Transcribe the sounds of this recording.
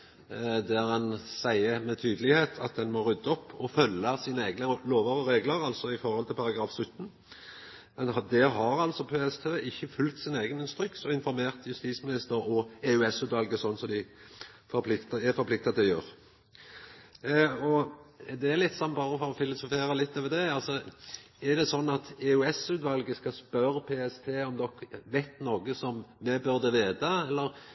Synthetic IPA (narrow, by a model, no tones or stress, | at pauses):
d̪æɾɛnsæɪəmɛt̪ʰyːd̪əlɪheːt̪ʰɑt̪̚d̪ɛnmɔɾʉd̪ːəɔpːɔfœlːəsiːnəeːɡnəloːʋɑʁəɾeːɡləɾɑlsɔɪfɔɾhɔlt̪ʰɪlpɑɾɑɡɾɑːfsʉt̪ːn̩ | mɛnd̪ɛɦɑɾɑlt̪sɔpʰeːɛst̪ʰøːɪçːəfʉlkt̪sɪneːɡənɪnst̪ɾʏksɔɪnfɔɾmeːʁt̪jʉst̪iːsmɪnɪst̪əɾɔeːʉɛsʉd̪ɑlɡəsɔnːsɔmd̪ɪ | fɔɾpʰlɪkt̪ɛfɔɾpʰlɪk̚t̪ɑt̪ʰɪljøːʁ | ɔd̪ɛːlɪt̪ːsɔnːbɑːɾəfɔɾɔfɪlʊsʊfeːɾəlɪt̪ːɑʋɛd̪ɛɑlsɔ | æʁd̪ɛsɔnːɑt̪ɛʉɛsʉːt̪ʋɑlɡəskɑspœɾəpʰeːɛst̪ʰeːɔmd̪ɔkʋɛt̪ːnoːɡəsɔmːɛbʉɾd̪əʋeːd̪ɑɛlːəɾ